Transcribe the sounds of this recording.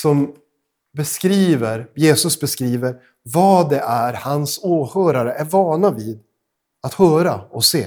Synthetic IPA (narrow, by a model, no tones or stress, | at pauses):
sɔm | bɛskɾiːvəɾjeːsɵsbɛskɾiːvəɾ | vɑːd̪ɛʔæɾhansoːhœːɾaɾəʔæɾvɑːɳaviːd̪ | at̪hœːɾaɔseː